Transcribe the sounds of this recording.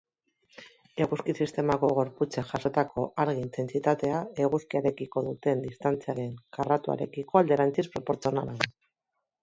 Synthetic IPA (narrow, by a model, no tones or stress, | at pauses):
e̞ɣuskisist̪e̞mako̞ɣo̞ɾput͡seʝaʃo̞t̪ako̞ʔaɾɣiint̪e̞nt͡sit̪at̪e̞ae̞ɣuskiaɾe̞kiko̞ðut̪e̞nd̪ist̪ant͡siaɾe̞ŋkarat̪ua̰ɾe̞̰kiko̞ald̪e̞ɾant͡sispɾo̞po̞ɾt͡sio̞na̰la